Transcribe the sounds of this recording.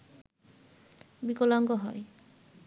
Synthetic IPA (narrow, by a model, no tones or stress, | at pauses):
bikɔlɔŋɡɔɦɔ̰j